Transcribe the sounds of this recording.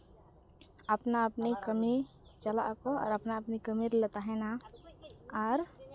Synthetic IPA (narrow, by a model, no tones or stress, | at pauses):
əpnaəpnikəmi | t͡ʃəla̰ʔkɔɔ̰ːɾəpnaəpnikəmiɾlət̪aɦɛ̃na | aɾ